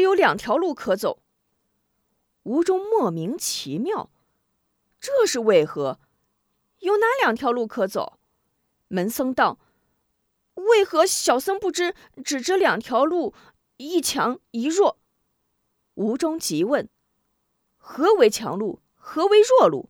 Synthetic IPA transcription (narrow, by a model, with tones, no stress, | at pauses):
jo˧˥ʊljɑ˨˩ŋt̪ʰjɑ˧˥ʊlu˥˩kʰɤ˧˥t͡so˨˩˦ʊ | u˧˥ʈ͡ʂʊ˥ŋmwɔ˥˩mi˧˥ŋt͡ɕʰḭ˧˥mjɑ˥˩ʊ | ʈ͡ʂɤ˥˧ʂɻ̩˥˧we˥˩ɪxɤ˧˥ | jo˥˩ʊna˧˥ljɑ˨˩ŋt̪ʰjɑ˧˥ʊlu˥˩kʰɤ˧˥t͡so̰˨˩˦ʊ | mə˧˥nsɤ˥ŋt̪ɑ˥˩ʊ | we˥˩ɪxɤ˧˥ɕjɑ˨˩ʊsə˥ŋpu˥˩ʈ͡ʂɻ̩˥ | ʈ͡ʂɻ̩˨˩ʈ͡ʂɻ̩˧˥ljɑ˨˩ŋt̪ʰjɑ˧˥ʊlu˥˩ | i˥˩t͡ɕʰjɑ˧˥ŋi˧˥ɻwɔ˥˩ | u˧˥ʈ͡ʂʊ˥ŋt͡ɕi˧˥wə˥˩n | xɤ˧˥we˧˥ɪt͡ɕʰjɑ̰˧˥ŋlu˥˩ | xɤ˧˥we˧˥ɪɻwɔ˥˧lṵ˥˩